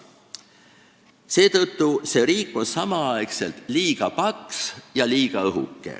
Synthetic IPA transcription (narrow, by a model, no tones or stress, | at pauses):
se̞ːt̪ɤt̪ːuse̞ɾiːkːˑo̞nsɑmɑɑekse̞̰lt̪liːɡ̥ɑpɑksjɑliːɡ̥ɑɤɦṵkːe̞̰